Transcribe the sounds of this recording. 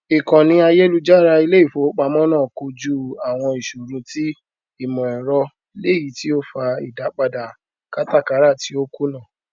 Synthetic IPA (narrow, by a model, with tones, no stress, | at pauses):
i˨kɔ̃˨nĩ˧a˧je˦lu˦d͡ʒa˦˨ɾa˧i˧le˦i˦˨fo˨˦k͡pa˧mɔ̃˦nãː˦˨ko˧d͡ʒu˦a˨w̃ɔ̃˧i˨ʃo˨ɾũ˧ti˦ | i˦˨mɔ̃˨ɛ˨ɾɔ˧ | i˧˦le˦˨ji˨˦ti˦o˦fa˧ḭ˨da˨˦k͡pa˧da˨ | ka˦ta˦˨ka˨˦ɾa˦˨ti˨˦o˦ku˦nãː˦˨